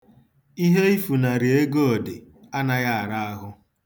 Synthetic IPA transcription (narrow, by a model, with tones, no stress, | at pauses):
i˦ɦe˦i˦fu˨na˨ɾi˨e˦ɡo˦o˨dɪ˨ | a˦na˦ɣa˦a˨ɾa˦a˦ɦʊ˦